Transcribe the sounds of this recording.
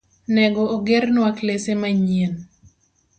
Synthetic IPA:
nɛɡɔoɡeɾnwaklesemaɲen

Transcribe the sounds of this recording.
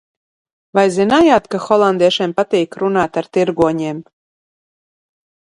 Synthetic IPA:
vajzinajaːt̪kaxɔlˠand̪eɛʃempat̪iːkɾunaːt̪aɾt̪iɾɡuɔɲʲeːm

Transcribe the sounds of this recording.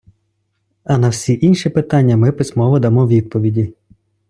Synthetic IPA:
ɐnɐwsʲiʔinʃipɪt̪ɑnʲːɐmɪpɪsʲmɔʋɐd̪ɐmɔwʋʲid̪̚pɔʋʲidʲi

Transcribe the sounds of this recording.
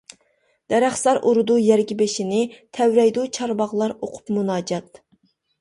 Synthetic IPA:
d̪̥ɛɾæχsɑɾʔuɾud̪ujɛɾɡʲibɪʃinɪt̪ʰɛwɾɛjd̪ut͡ʃʰɑɾbɑʁlˠɑɾoqʰʊ̥pmunɑːd͡ʒɑt̪

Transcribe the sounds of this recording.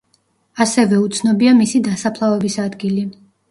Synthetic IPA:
asɛvɛut̪sʰnɔbiamisid̪asapʰlˠavɛbisad̪ɡili

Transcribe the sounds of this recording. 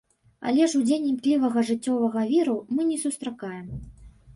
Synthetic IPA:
ɐ̰lʲɛʂud͡zʲenʲimklʲivɐɣɐʐɨt͡sʲːɔvɐɣɐvʲiɾumɨnʲɛsust̪ɾakajɛm

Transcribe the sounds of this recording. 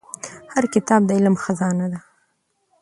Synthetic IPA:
haɾkɪt̪ɑb̚d̪əɪlmxazɑnad̪a

